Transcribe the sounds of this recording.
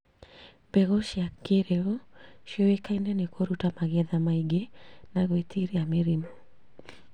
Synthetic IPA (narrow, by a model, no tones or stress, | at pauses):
b̥ɛɣɔʃjakeɾeɔʃjɔwekaindɛnekoɾutamaɣɛðamaiɡenaɣwetʰiɾiameɾimɔ